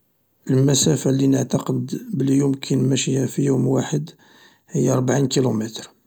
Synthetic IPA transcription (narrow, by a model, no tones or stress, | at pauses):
ʔəlmæsæfalinəʕt̪ɑqəd̪bəljumkʰinmæʃihæfijumwaħəd̪ | həjːaɾˤbʕinkilumæt̪ɾ